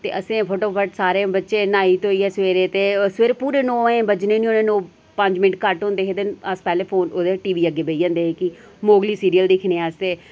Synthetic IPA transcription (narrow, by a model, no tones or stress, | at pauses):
t̪ḛːəsẽːpʰoːʈoːpʰəʈsaːɾẽːbətːʃẽːnaːiːt̪oːiːɦɛːsʋeːɾeːt̪eːsʋeːɾpuːɾeːnoːẽːbəd͡ʒnẽːnĩːõːnẽːnoː | pəɲd͡ʒmɪʈkəʈɦõːnd̪eːɦeːd̪ənəspɛːleːpʰoːnoːd̪eʈiːʋiːəɡːeːbeid͡ʒãːnd̪eːeːkɪ | moːɡliːsiːɾijəld̪ɪkʰneːaːst̪eː